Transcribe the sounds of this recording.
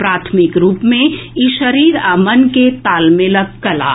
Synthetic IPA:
pɾaːt̪ʰmɪkɾuːpmẽɪʃəɾiːɾaːmənket̪aːlmeləkːɐla̰ː

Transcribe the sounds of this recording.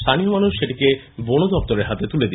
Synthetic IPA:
t̪ʰaniomanuʃʃeʈike | bonod̪ɔpt̪oɾeɾɦat̪et̪uled̪i

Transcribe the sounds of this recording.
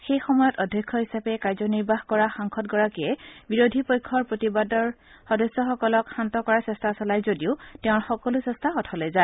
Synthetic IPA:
xejxɔmɔjɔtɔdʱjɔkʰːɔɦisapɛkaɹzɔniɹbaɦkɔɹaxaŋkʰɔt̚ɡɔɹakiɛbiɹodʱipojkʰːɔɹpɹotibadɔɹ | xɔdɔsːɔxɔkɔlɔkxantɔkɔɹasɛstʰasɔlajzodiʊtɛʊ̃ɹxɔkɔlʊsɛstʰaɔtʰɔlɔza

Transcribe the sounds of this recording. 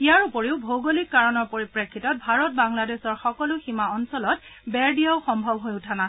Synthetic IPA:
ijaɹupoɹeʊbʱowɡolikːaɹɔnɔɹpoɹipɹekʰːitɔt̚bʱaɹɔt̚baŋladesɔɹxɔkɔlʊximaɔnsɔlɔt̚bɛɹdiaʊxɔmbʱɔbɦojʊtʰana

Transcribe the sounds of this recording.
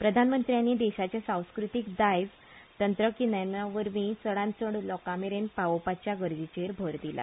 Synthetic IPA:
pɾəd̪ʱanmənt̪ɾijanːiːd̪ɛɕat͡ɕasãw̃skɾut̪ikd̪ajd͡z | t̪ənt̪ɾəkinanaʋəɾmiːt͡səɽãnt͡səɽlɔkameɾenpaʋopat͡ɕjaɡəɾd͡ʑit͡ɕeɾbʱəɾd̪ila̰

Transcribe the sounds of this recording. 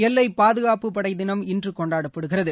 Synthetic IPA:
ɛlːɐɪpaːðɯɣaːpɯpɐɽɐɪðɪnɐmɪndrɯkɔɳɖaːɽɐpːɐɽɯɣɪrɐðɯ

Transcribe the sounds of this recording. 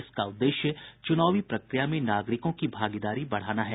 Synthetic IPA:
ɪskaʊd̪ːeːʃjət͡ʃʊnaːʋipɾɐkɾɪjamẽnaːɡɾɪkõkibʱaːɡɪd̪aːɾibɐɽ̤aːnaɦɛ

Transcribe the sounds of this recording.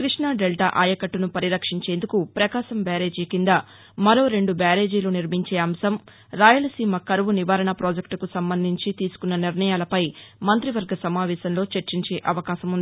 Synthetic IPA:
kɾiʂɳaːɖelʈa̰ʔaːjɐkɐʈːunupɐɾiɾɐkʂiɲt͡ʃe̞ːnd̪ukupɾɐkaːʃɐmbaːɾe̞ːd͡ʒikind̪ɐ | mɐɾo̞ːɾe̞ɳɖubaːɾe̞ːd͡ʒiloːniɾmiɲt͡ʃeːɐmsɐm | ɾaːjulɐsiːmɐkɐɾʋuniʋaːɾɐɳɐpɾoːd͡ʒekʈkusɐmbɐnd̪ʱiɲt͡ʃit̪iːsu̥kunːɐniɾɳɐjaːlɐpɐjmɐnt̪ɾiʋɐɾɡɐsɐmaːʋɛːʃɐnlo̞ːt͡ʃɐɾt͡ʃiɲt͡ʃe̞ːʔɐʋɐkaːʃɐmund̪i

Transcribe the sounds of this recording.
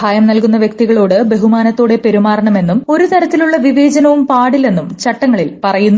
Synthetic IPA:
aːjɐmnɐlkun̪ːɐʋjɐk̚t̪iɣɐɭoːɽɨbe̞ɦumaːnɐt̪ːoːɽe̞pe̞ɾumaːɾɐɳɐme̞nːumo̞ɾut̪ɐɾɐt̪ːiluɭːɐʋiʋe̞ːd͡ʑɐnɐʋumpaːɽile̞nːumt͡ɕɐʈːɐŋːɐɭilpɐrɐjunː

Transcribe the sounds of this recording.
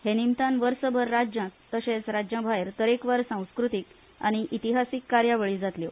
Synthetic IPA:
henimt̪anʋəɾsəbʱəɾːad͡ʑjãt̪ːəɕẽt͡sɾad͡ʑjə̃bʱaeɾt̪əɾekʋəɾsãw̃skɾut̪ik | a̰ɽ̃iʔit̪iɦasikːaɾjaʋəɭiːd͡zat̪ljo

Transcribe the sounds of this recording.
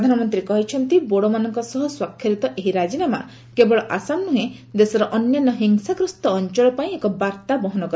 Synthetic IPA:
d̪ʱanɔmɔnt̪ɾikɔɦit͡ʃʰɔnt̪iboɽɔmanɔŋkɔsɔɦɔswakʰjɔɾit̪ɔʔeɦiɾad͡ʒinama̰ | kebɔɭɔʔasamnuɦẽd̪esɔɾɔʔɔnjɔnɔɦiŋsakɾust̪ɔːnt͡ʃɔɭɔpaĩekɔbaɾt̪abɔɦɔnɔkɔ

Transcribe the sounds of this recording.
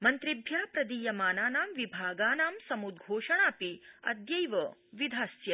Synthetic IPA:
mɐnt̪ɾibʱjaːpɾɐd̪iːjɐmaːnaːnaːmʋibʱaːɡaːnaːmsɐmud̪ɡʱoːʃɐɳ̃aːpiɐ̰d̪jɐjʋɐʋid̪ʱaːsjɐ

